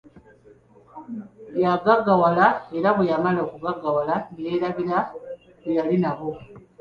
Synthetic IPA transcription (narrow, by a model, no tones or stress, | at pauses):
jaɡaɡawalae̞ɾaβejamalokuɡaɡawalanijeːlaβila | βejalinaɣo̞